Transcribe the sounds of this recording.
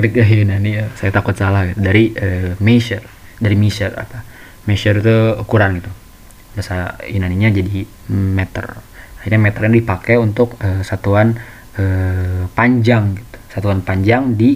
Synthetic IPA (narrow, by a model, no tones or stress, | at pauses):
ɾikaɦinaniəsajat̪akʊt̪̚salahɡit̪udaɾiəmeʃər | daɾimisəra̰pa | meʃəɾit̪ukuɾanɡit̪u | basainaniɲad͡ʒadi | mɛt̪ə̰raiɲamɛt̪ərɲadipakɛunt̪ʊkəsat̪uan | əpaɲd͡ʒaŋɡit̪u̥sat̪uanpaɲd͡ʒaŋdi